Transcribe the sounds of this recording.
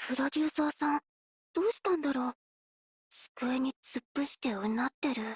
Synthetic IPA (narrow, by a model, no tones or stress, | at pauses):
pɯ̟ɾo̞d̪ʲɨːsaːsãn | d̪̥o̞ːɕi̥t̪ãnd̪aɾo̞ː | sɨ̥kɯ̟eɲ̟it͡sɨpːɯ̟ɕi̥t̪eonat̪ːe̞ɾɯ̟